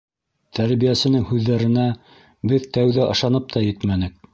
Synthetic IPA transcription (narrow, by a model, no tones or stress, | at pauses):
t̪ʰæɾβijæsɘ̆nɘŋhʉðːæɾɘ̆næ | bɘðt̪æwðæʔɤ̆ʃɑnɤp̚t̪ʰɑjɘt̪mænɘk̚